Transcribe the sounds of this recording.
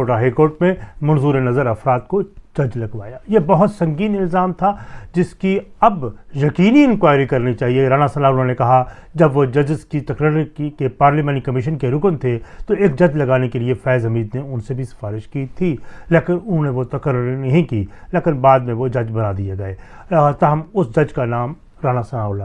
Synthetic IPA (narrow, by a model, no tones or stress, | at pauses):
oːʈaɦaːikoːɾʈmẽmɐ̃nzuːɾenɐzəɾɐfɾaːt̪kod͡ʒɐd͡ʒlɐɡʋaːjaːjebɐɦʊt̪sɐ̃ŋɡiːnɪlzaːmt̪ʰad͡ʒɪskiɐbjɐkiːniɪ̃nkwaːɪɾikɐɾnit͡ʃaːɦieɾaːnasɐlaːɾʊnɦõnekɐɦa | d͡ʒɐbʋod͡ʒɐd͡ʒzkit̪ɐkɾəɾkepaːɾlimaːnikɐmɪʃənkeɾʊknt̪ʰet̪oeːk̚d͡ʒɐd͡ʒlɐɡaːnekeliefɛːzɐmiːd̪neʊnsebʱisɪ̥faːɾɪʃkit̪ʰileːkɪnʊnɦõnẽʋot̪ɐkəɾːʊɾinɐɦĩkiːleːkɪnbaːd̪mẽʋod͡ʒɐd͡ʒbɐnaːd̪ieɡɐeːt̪ɐɦmʊsd͡ʒɐd͡ʒkanaːm | ɾaːnasɐnaːla